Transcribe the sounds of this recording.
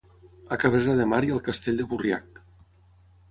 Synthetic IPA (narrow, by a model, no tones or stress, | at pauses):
əkaβɾeɾaðəmaɾiəlˠkəst̪eʎʲd̪əβuria̰k̚